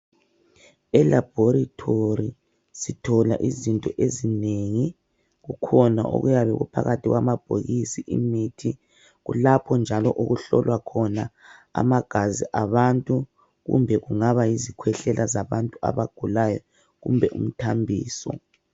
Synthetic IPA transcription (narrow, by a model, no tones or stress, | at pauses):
ɛlab̥ʱoɾitʰori | sitʰɔla̰ʔizintʼɔʔezineŋi | ɣukʰɔnaʔo̰ɣujaβɛɣṵpʰa̰ɣatʰiɣwamab̥ʱoɣisiʔimitʰi | ɣulapʰɔnd͡ʒʱalɔʔuɣuɬɔlwakʰɔna | a̰maɡ̥ʱaziʔaβantʼu | ɣṵmbʱɛɣuŋaβajizikʰwɛɬɛlʔazaβantʼua̰βaɡ̥ʱulajɔ̰ | ɣumbʱɛʔṵm̩tʰambʱḭːsɔ̰